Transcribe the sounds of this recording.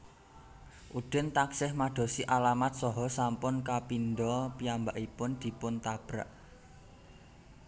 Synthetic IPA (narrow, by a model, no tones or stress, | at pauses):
ʔud̪̥ə̤nt̪aksɪhmad̪̥o̤siʔalamat̪̚sɔɦɔsampʊnkapind̪ɔpiambaʔipʊnd̪̥i̤pʊnt̪ab̥ɾa̰ʔ